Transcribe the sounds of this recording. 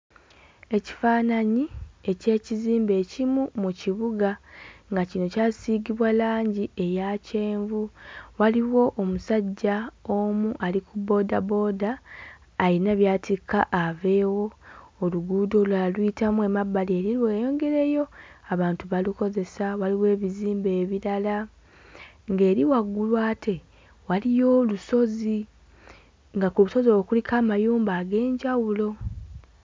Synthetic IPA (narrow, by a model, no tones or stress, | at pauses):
e̞ci̥faːnaɲie̞ce̞ːciziːmbe̞cimumuciβuɡaŋɡacino̞caːsiːɡiβwalaːɲɟie̞jace̞ːɱvuwaliwo̞ʔomusaɟːao̞muʔalikubo̞ːdabo̞ːdaː | ɾinaβjaːtikaʔːve̞ːwo̞ːluɡuːdo̞lalwitamue̞mabːalie̞ɾilweːjo̞ŋɡe̞ɾe̞jo̞aβaːntuβaluko̞ze̞sawaliwe̞ːβiziːmbe̞ːβiɾala | ŋɡe̞ːɾiwaɡːulwaːtʰe̞ | walijo̞ːluso̞zi | ŋɡakuβuso̞zowkulikʰaːmajuːmbaːɡe̞ːɲɟawulo̞